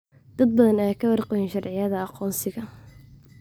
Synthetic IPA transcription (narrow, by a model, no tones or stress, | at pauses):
d̪̥ɐd̪̚bɐðɐnɛːkʰɐwɑrqɛjɪnʃɑrʕɪjɐðɐɑqɔːnsɪɣɐ